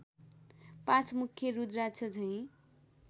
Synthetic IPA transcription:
pãt͡sʰmukʰːjʌɾud̪ɾat͡sʰʌd͡zʰʱʌj̃

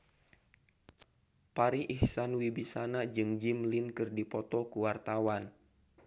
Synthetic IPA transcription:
paɾiʔihsanwibisanad͡ʒɨŋd͡ʒimlinkɨrdipɔt̪ɔkuwart̪awan

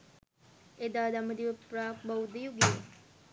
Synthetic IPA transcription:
ed̪ad̪amɐd̪ibɐpɾak̚bawd̪ijuɡe

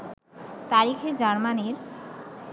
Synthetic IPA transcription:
t̪aɾikʰed͡ʑaɾmaneɾ

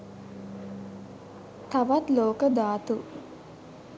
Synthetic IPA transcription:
t̪aʋat̪loːkəd̪aːt̪u

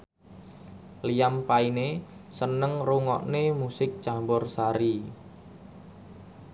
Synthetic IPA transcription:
lijampainesənəŋruŋɔ̰ʔnemusɪk̚t͡ʃambʊrsaɾi

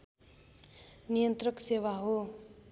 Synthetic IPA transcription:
nijʌnt̪rʌksewaɦo

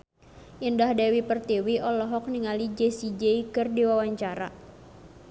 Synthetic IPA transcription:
ʔindahdɛwipərt̪iwiʔɔlɔɦɔk̚niŋalid͡ʒesid͡ʒeikɨrdiwawaɲt͡ʃaɾa̰

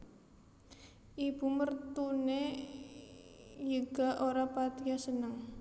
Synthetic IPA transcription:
ʔib̥ṳmərt̪une | jəɡ̥a̤ʔoɾapat̪ijasənəŋ

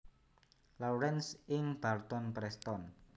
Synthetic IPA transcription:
lawɾɛnsɪŋb̥art̪ɔnpɾɛst̪ɔn

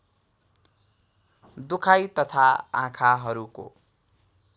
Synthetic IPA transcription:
d̪ukʰajt̪ʌt̪ʰaã̰kʰaɦʌɾuko̰

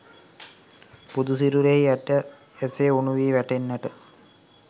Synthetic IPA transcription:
pud̪usiɾuɾeɦiæʈə | eseonuʋiːʋæʈenːæʈə

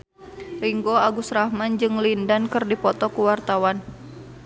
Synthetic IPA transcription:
riŋɡoaɡusɾahmand͡ʒɨŋlindankɨrdipɔt̪ɔkuwart̪awan

